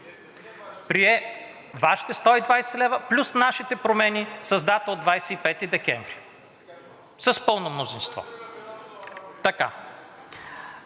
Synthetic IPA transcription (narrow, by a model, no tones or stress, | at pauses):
pɾiɛ | vaʃi̥t̪ɛst̪ɔid̪vajsɛlɛvəplʲusnaʃit̪ɛpɾomɛnʲisɐzd̪at̪od̪vajsɛipɛt̪id̪ɛkʲɛ̰̃ɱvɾi | səspɤlˠnomnozĩnst̪vɔ̰ | t̪ɐka̰